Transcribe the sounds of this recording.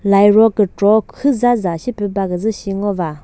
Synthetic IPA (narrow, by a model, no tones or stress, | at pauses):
lajɾɔkəʈ͡ʂɔkʰɯzazaɕipøpakəzɨɕiŋɔʋa